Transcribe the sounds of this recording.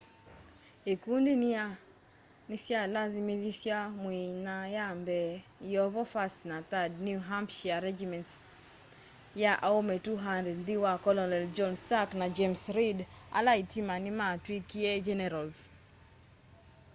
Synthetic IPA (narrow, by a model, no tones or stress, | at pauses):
ekundinia | nisjalazimiðisjamwinajambɛjɔvɔfastnat̪adnjuɦampʃiaɾɛd͡ʒimɛnts | jaʔaometuɦandɛdd̪iwakɔlɔnɛld͡ʒɔnstaknad͡ʒemsɾida̰laitimanɪmatwikied͡ʒɛnɛɾalz